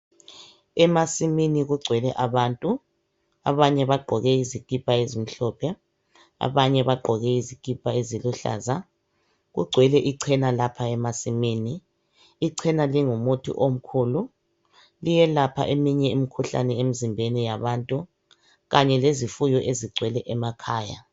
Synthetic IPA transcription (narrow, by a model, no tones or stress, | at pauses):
ɛmasiminiɣuɡ͡ǀʱwɛlɛʔaβaːntʼu | a̰βaɲɛβaɡ͡ǃʱɔɣɛizikʼipʼaezim̩ɬɔpʰɛ | a̰βaɲɛβaɡ͡ǃʱɔɣɛizikʼipʼaeziluɬa̰ːza | ɣṵɡ͡ǀʱwɛlɛʔiǀʰɛnalapʰaɛmasimiːniː | ǀʰɛnaliŋumotʰḭʔom̩kʰuːlu | lijɛlapʰa̰ʔemiɲɛimikʰuɬa̰nɛemizimbʱenijaβantʼu | ɣaɲɛlezifujɔʔeziɡ͡ǀʱwɛlɛʔɛmakʰaːja̰